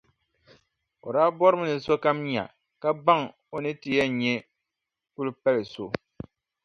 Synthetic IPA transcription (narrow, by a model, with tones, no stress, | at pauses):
o̰˨ɾaː˦bɔ˦ɾɨ˦m˦nɨ˨so˦ka˦mɲa̰˨ | ka˦ba˦ŋ | o˦nɨ˦ti˨jɛ˦˨ɲɛ˦ | ku˦lpɛ˦lɨ˨so˦˨